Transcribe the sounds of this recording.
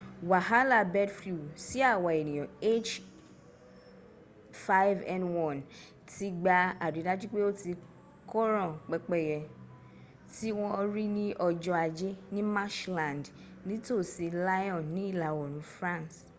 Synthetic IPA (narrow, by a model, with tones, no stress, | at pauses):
wa˨ɦa˦la˦˨bɛ˦dflu˨si˦a˦˨wa˨e˨nĩ˨jɔ̃˨e˦t͡ʃ | fa˦jvɛ̃˨nwɔ̃˦˨n | ti˦ɡ͡ba˧a˨de˨˦dã˦d͡ʒi˦k͡pe˦o˦ti˧ | kɔ˦ɾɔ̃˦˨k͡pɛ˧k͡pɛ˦˨jɛ˧ | ti˦w̃ɔ̃˦˧ɾi˦nĩ˦ʔɔ˧d͡ʒɔ˧a˧d͡ʒe˦nĩ˦ma˦ʃlã˨nd | nĩ˦to˦˨si˧la˦jɔ̃˦˨nːĩ˦i˦˨la˨˦wɔ˨ñũ˨˦fɾã˦ns